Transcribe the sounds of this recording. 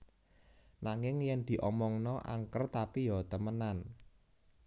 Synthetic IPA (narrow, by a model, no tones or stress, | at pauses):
naŋɪŋjɛnd̪̥i̤ʔɔmɔŋnɔʔa̰ŋkərt̪apijɔt̪əmənan